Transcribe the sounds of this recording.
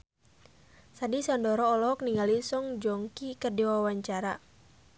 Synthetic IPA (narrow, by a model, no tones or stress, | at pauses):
sadisɔndɔɾɔːlɔk̚niŋɡalisɔŋd͡ʒɔŋkikərdiwawaɲt͡ʃaɾa